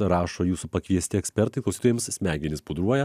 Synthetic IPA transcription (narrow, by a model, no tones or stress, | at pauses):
ɾɑːʃoːjuːsupɐkʋʲiɛsʲt̪ʲɪɛksʲpʲɛɾt̪ɐɪklˠʊsʲiːt̪oːjɛmssʲmʲæːɡʲɪnʲɪspʊd̪ɾuɔjɛ